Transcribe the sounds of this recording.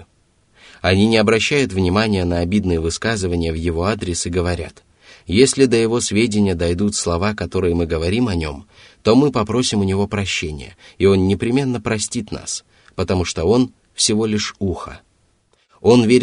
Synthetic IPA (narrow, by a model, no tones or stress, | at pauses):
ɐnʲinʲɪɐbɾɐɕːæjʊt̪vnʲɪmanʲɪjənəɐbʲid̪nɨjəvɨskazɨvənʲɪjəvjɪvo̞ad̪ɾʲɪsɨɡəvɐɾʲa̰t̪ | jesʲlʲɪd̪əjɪvo̞svʲedʲɪnʲɪjəd̪ɐjd̪ut̪slˠɐvakɐt̪o̞ɾɨjəmɨɡəvɐɾʲimɐnʲo̞m | t̪o̞mɨpɐpɾo̞sʲɪmʊnʲɪvo̞pɾɐɕːenʲɪ̰jə̰ɪo̞nːʲɪpɾʲɪmʲe̞nːəpɾɐsʲtʲit̪na̰s | pət̪ɐmuʂt̪o̞o̞n | fsʲɪvo̞lʲɪʂuxə̰ | o̞nvʲeɾʲ